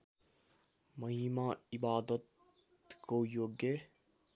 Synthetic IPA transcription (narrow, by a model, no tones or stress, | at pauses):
mɐɦiːmãːibaːd̪ət̪ | kojoːɡːe